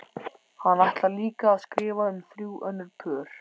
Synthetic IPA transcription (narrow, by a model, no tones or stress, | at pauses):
hanːaht̪laliːkaːðskɾɪːvaʏmfɾuːwʔœnːʏɾpʰœːɾ̥